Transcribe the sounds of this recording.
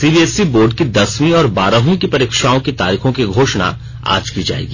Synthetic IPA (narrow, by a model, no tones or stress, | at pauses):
siːbiɛsiboːɾɖkid̪ɐsmĩɔːɾbaːɾaɦĩkipɐɾeːkʃaːõkit̪a̰ːɾiːxõkiɡʱoːʃna̰ | a̰ːd͡ʒkid͡ʒa̰ːḛːɡiː